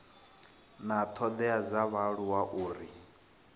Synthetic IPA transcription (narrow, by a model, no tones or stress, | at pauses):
nat̪ʰɔd̪ɛad͡zaβaɺuwaʔuːɾi